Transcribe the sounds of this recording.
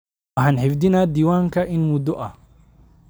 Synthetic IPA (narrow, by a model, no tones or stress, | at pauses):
ɑħaːnħɪfd̪ɪnaːd̪iːwaːŋkʰɐʔɪnmʊd̪ɔʔɐh